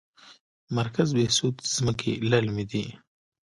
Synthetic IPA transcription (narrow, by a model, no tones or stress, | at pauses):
mɐɾkazbesut̪z̥məkʰḭlalmid̪i